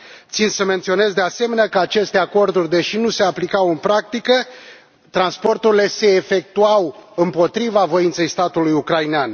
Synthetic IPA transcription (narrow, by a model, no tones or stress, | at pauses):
t̪sind̪səment̪sio̞ne̞zd̪ease̞me̞nakəat͡ʃe̞st̪e̞ako̞rd̪urʲd̪e̞ʃinuse̞aplikawɨnpɾak̚t̪ikə | t̪ɾanspo̞rt̪uɾile̞se̞ːfe̞k̚t̪uawɨmpo̞t̪ɾivavo̞int̪se̞jst̪at̪ulujukɾajinean